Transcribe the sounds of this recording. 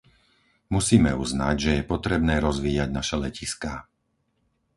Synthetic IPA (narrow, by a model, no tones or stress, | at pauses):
musiːmɛuzna̰ɟʒɛjɛpɔt̪ɾɛbnɛːɾɔzʋiːjaɟnaʃɛlɛciska